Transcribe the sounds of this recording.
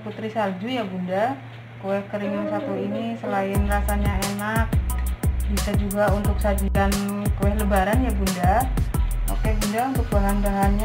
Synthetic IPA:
put̪ɾisald͡ʒujabunda | koɛhkəɾiŋansat̪uinisəlaɪnrasaɲaenak̚ | bisad͡ʒuɡaunt̪ʊk̚sad͡ʒikan | kowɛhləbaɾanjabunda | o̰kebundaunt̪ʊk̚baɦanbaɦanɲa

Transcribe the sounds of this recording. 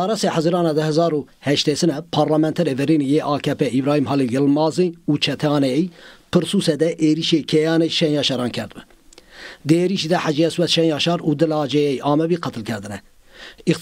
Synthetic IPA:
ɑːɾɛsehæzɨɾɑːnɑːd̪ɨhɛzɑːɾu | hɛʃt̪esɨnɛpʰɑːɾlɑmɛnt̪ʰɛɾeːvɛɾiːnijeːʔɑːkʰɛpʰɛibɾɑːhimɦɑlijɛlmɑːzɨnuːt͡ʃʰɛt̪ʰɑːnɛjipʰɨɾsuːsɛd̪ɛʔeːɾiʃekʰɛjɑːneʃɛnjɑːʃɑɾɑːnkʲʰɛɾd̪ɨbɛ | d̪ɨeːɾiʃid̪ɛħad͡ʒiɛswɛt̪ʃɛnjɑːʃɑːɾuːd̪ɨlɑːd͡ʒɛjɛjʔɑːmɛbiːqɑt̪ʰɨlkʰɛɾd̪ɨnɛ | ik̪

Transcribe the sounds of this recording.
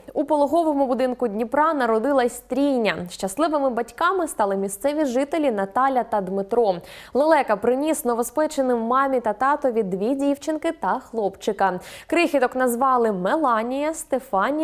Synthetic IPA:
upɔlˠɔɦɔʋɔmʊbʊd̪ɪnkʊdʲnʲipɾɑnɐɾɔd̪ɪlˠɐsʲt̪ɾʲijnʲɐʃt͡ʃɐslˠɪʋɪmɪbɐtʲkɑmɪst̪ɑlˠɪmʲist̪sɛʋʲiʒɪt̪elʲinɐt̪ɑlʲɐt̪ɐd̪mɪt̪ɾɔlˠelˠɛkɐpɾɪnʲisnɔʋespɛt͡ʃenɪmːɑmʲit̪ɐt̪ɑt̪ɔʋʲid̪ːʋʲidʲiwt͡ʃɪnkɪt̪ɐxlˠɔpt͡ʃɪkɐkɾɪxʲit̪ɔknɐzʋɑlˠɪmelˠɑnʲijɐst̪efɑnʲ

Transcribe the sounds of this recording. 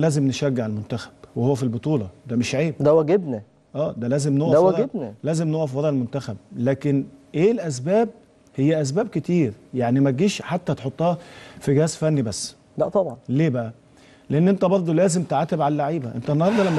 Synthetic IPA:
læːzemneʃæɡːeʕelmont̪æxæ̥b̥wehowːæfilbot̪ˤuːlɑd̪æmeʃʕeːb̚d̪æwæɡebnæ | ʔæːd̪ælæːzemnoʔʔæwæɾɡebnælæːzemnoːʔæfwɑɾˤɑʔelmont̪æxæb̚læːkenʔeːlʔæs̬bæːb̚ | hejːæʔæs̬bæːb̚ket̪iːɾjaʕnimæɡiːʃħat̪ːæt̪eħot̪ˤːɑːfiɡhæːsfænːibæsː | læt̪ˤɑbʕɑnleːbæʔæ | leʔenːʔent̪æbɑɾˤd̪ˤolæːzemt̪eʕat̪ːebʕalælːaʕiːbæʔent̪ænːɑhɑɾˤd̪ˤɑlæmːæ

